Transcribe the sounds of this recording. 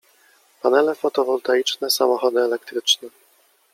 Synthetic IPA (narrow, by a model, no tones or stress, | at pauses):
panɛlɛfɔt̪ɔvɔlt̪ait͡ʂnɛsamɔxɔd̪ɘɛlɛkt̪ɾɘt͡ʂnɛ